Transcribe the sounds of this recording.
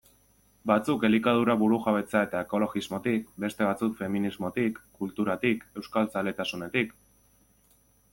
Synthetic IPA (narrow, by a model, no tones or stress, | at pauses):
bat͡suke̞likað̞uɾaβuɾuxaβ̞e̞t͡sae̞t̪ae̞ko̞lo̞ɣizmo̞t̪ikbe̞st̪e̞βat͡sukfe̞minizmo̞t̪ikːult̪uɾat̪ike̞wskalt͡sale̞t̪asune̞t̪ik